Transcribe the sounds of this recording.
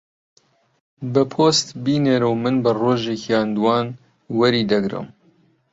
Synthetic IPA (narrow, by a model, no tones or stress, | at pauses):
bɨpʰoːst̪biːneɾɨwmɨnbɨroːʒekʰjɑːnd̪uwɑːn | wɐɾiːd̪ɐɡɾɨ̰m